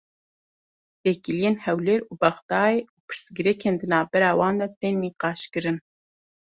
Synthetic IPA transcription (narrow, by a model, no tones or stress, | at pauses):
t̪ɛkilijeːnhɛwleːɾuːbɛχd̪ɑːjeːuːpʰɨ̥ɾsɡɨɾɛkʰeːnd̪ɨnɑːvbɛɾɑːwɑːnd̪ɛt̪eːnːiːqɑːʃkɨɾɨn